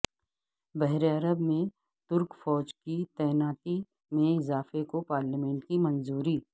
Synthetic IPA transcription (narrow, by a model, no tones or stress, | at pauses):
bɛɦɾeɐɾəbmẽ | t̪ʊɾkfɔːd͡ʒkit̪ɛːnaːt̪i | mẽɪzaːfekopaːɾləmɛ̃ːɳʈkimɐ̃nzuːɾiː